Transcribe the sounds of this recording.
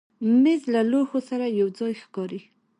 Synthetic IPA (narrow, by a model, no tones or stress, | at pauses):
mɪzlalohosaɾajawd͡zɑjxkɑɾi